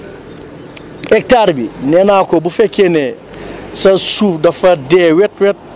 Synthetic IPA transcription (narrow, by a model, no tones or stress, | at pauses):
ʔɛk̚taɾbinɛnakɔbufɛkːenɛ | sɐsuːfdɐfɐdɛwɛt̚wɛt̚